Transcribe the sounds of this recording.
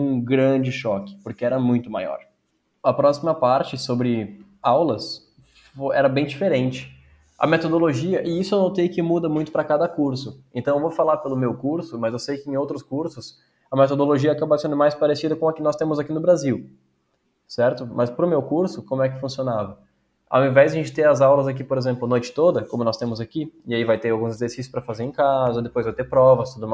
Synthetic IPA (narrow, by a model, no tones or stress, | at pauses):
ũɡɾɐ̃d͡ʒɪʃɔkɪ̥poɾkɪɛɾɐmũj̃t̪ʊma̰jɔ̰ɾ | ɐpɾɔsimɐpaɾt͡ʃɪsobɾɪ | awlɐs | oɛɾɐbẽj̃d͡ʒifeɾẽnt͡ʃɪ̥ | ɐ̰met̪od̪oloʒiɐʔɪisʊewnot̪ejkɪmud̪ɐmũj̃t̪ʊpɾɐkad̪ɐkuɾsʊẽnt̪ɐ̃w̃vofalaɾpelʊmewkuɾsʊmɐzewsejkɪẽj̃owt̪ɾʊskuɾsʊs | ɐmet̪od̪oloʒiɐakabɐsẽnd̪ʊmajspaɾesid̪ɐkõɐkɪnɔst̪ẽmʊzakinʊbɾaziw | sɛɾt̪ʊmɐspɾʊmewkuɾsʊkõmʊɛkɪ̥fũsionavɐ | a̰wẽvɛzd̪ɐʒẽnt͡ʃɪ̥t̪ẽɐzawlɐzak̬ipoɾezẽmplʊnojt͡ʃɪ̥t̪od̪ɐkõmʊnɔst̪ẽmʊzakiɪaivajt̪eɾawɡũzezeɾsis̬jʊ̥spɾɐfazeɾẽkazɐod̪epojzvajt̪eɾpɾɔvɐst̪ud̪ʊma